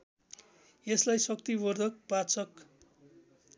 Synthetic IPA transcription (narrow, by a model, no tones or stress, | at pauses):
eslajsʌkt̪ibʌrd̪ʱʌk̚bat͡sʌk